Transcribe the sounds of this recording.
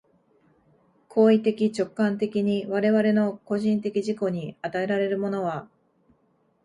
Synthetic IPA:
kʰo̞ːit̪e̞kʲit͡ɕo̞kːãnt̪̬e̞kʲiɲ̟iβaɾe̞βaɾe̞no̞ko̞ʑĩnt̪e̞kʲiʑiko̞ɲ̟iat̪ae̞ɾaɾe̞ɾɯ̟mo̞no̞βa

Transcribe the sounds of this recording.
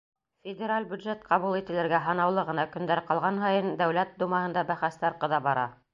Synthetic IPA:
fʲɪdʲeɾalʲbʲjʉd̪ʒet̪qɑβulˠit̪ɘ̆lɘ̆ɾɡæɦɑnɑwlˠɤʁɤ̆nɑkɵ̆nd̪æɾqɑlˠʁɑnɦɑjɤnd̪æwlæt̪̚d̪umɑhɤ̆nd̪ɑbæχæst̪æɾqɤ̆ðɑbɑɾɑ̰

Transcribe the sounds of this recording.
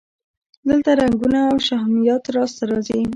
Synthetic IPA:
d̪əlt̪aɾaŋɡunaːwʃahmijɑt̪ɾɑst̪aɾɑzi

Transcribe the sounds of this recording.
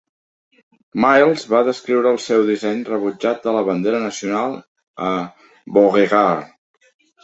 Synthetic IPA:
majlˠzβaðəskɾiwɾəːlˠsɛwðisɛɲrəβud͡ʒat̪̚d̪ələβənd̪eɾənəsiunalˠ | ə | boɣeɣa

